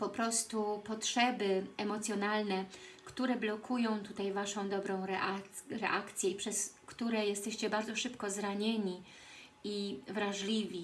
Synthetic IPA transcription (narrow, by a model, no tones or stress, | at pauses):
pɔpɾɔst̪upɔtʂɛbɘɛmɔt̪sʲjɔnalnɛkt̪uɾɛblɔkʰujɔ̃w̃t̪ut̪ajvaʂɔ̃w̃d̪ɔbɾɔ̃w̃ɾɛʔaɾɛ̰ʔakt̪sʲjɛipʂɛskt̪uɾɛjɛst̪ɛɕt͡ɕɛbaɾd̪zɔʂɘpkɔzɾaɲeɲi | ivɾaʐlʲivʲi